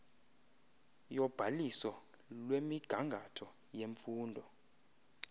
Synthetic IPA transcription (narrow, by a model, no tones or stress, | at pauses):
jɔb̥ʱalisɔ | lwemiɡ̥ʱaŋɡʱatʰɔ | jeɱfuːndʱɔ